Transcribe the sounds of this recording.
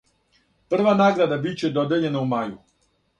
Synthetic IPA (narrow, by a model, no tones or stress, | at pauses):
pr̩ʋanaːɡɾad̪abit͡ɕe̞d̪o̞d̪eʎe̞naumaju